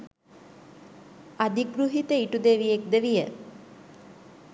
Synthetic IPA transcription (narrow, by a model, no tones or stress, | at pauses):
ad̪iɡɾuɦit̪əiʈud̪eʋijek̚d̪eʋijə